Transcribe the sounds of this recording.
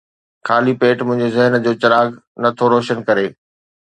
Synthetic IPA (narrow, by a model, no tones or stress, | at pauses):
kʰaːlipeːʈmʊ̃ɦɪ̃ɲd͡ʑezɪɦənd͡ʑoːt͡ɕɐɾaːɡ | nɐt̪ʰoɾoːʃənkɐɾeː